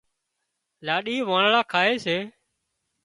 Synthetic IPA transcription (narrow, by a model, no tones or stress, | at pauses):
laːɗiːʋãːɳɭaːkʰaːeːseː